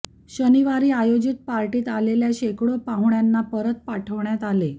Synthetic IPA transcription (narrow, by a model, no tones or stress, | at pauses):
ɕəniʋaɾiːajod͡ʑit̪̚paɾʈiːt̪aleljaɕekɽopãɦuɳjanːapəɾət̪̚paʈʰəʋɳjat̪ale